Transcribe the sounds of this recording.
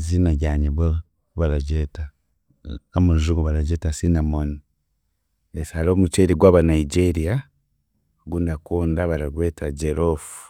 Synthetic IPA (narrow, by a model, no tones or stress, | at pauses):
zinaɟaɲiβe | βaɾaɟeta | amuʒuɡoβaɾaɟetasinamoni | esaloːmut͡ʃeɾiɡwaːβanaiɟeɾija | ɡundakuːndaβaɾaɾwetaɟeɾofu̥